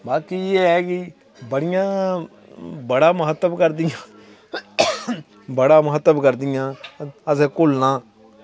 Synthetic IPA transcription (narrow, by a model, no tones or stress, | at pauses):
baːkiːeːɦɛːkɪ | bəɽɪjãː | bəɽaːmʊɦət̪ːəbkəɾd̪ɪjãː | bəɽaːmʊɦət̪ːəbkəɾd̪ɪjãːəseːkʊlnãː